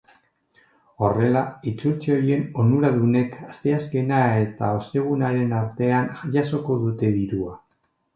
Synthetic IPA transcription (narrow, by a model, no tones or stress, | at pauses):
o̞re̞lait͡sult͡seo̞ɾie̞no̞nuɾaðune̞kʰast̪e̞aske̞nae̞t̪ao̞st̪e̞ɣ̞unaɾe̞naɾt̪e̞anʝaso̞ko̞ðut̪e̞ðiɾua